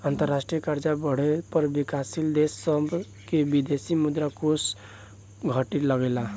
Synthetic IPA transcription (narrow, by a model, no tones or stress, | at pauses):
ant̪əɾːasʈɾijəkaɾd͡ʒabəɽ̤epəɾbikasild̪esːəbʱ | kebid̪esimud̪ɾakos | ɡʱəʈiləɡela